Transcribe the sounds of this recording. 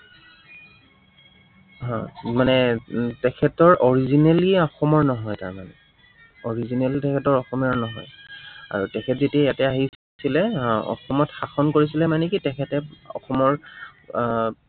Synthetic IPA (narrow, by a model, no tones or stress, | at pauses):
ɦɔ̃manɛtɛkʰɛtɔɹʔɔɹizineliɔxɔmɔɹnɔɦɔjta̰ɹmanɛ̰ | ɔɹizinɛlitɛkʰɛtɔɹɔxɔmiɔɹnɔɦɔ̰ja̰ɹutɛkʰɛtzetiajatɛaɦi | silɛɔ̰xɔmɔtxaxɔnkoɹisilɛmanɛkitɛkʰɛtɛɔ̰xɔmɔɹ